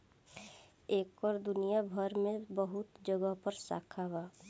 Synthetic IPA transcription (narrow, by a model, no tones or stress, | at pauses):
eːkɔːɾd̪ʊnijabʱəɾmẽbəɦʊt̪d͡ʒəɡəɦpəɾsa̰ːkʰabaː